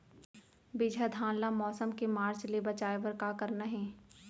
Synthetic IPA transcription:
bɪd͡ʒʱəd̪ʱãːnlamɔːsəmkemaːɾt͡ʃlebɐt͡ʃaːeʋəɾkakɐɾnaɦɛ̃ː

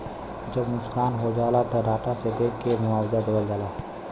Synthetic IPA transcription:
d͡ʒəbnʊskaːnɦod͡ʒaːlat̪oɾaːʈased̪eːkkːemʊaːwd̪ad̪əbəld͡ʒaːlaː

